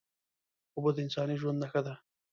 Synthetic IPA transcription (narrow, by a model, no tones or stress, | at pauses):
ʊbod̪əɪnsɑːniʒwand̪naxad̪a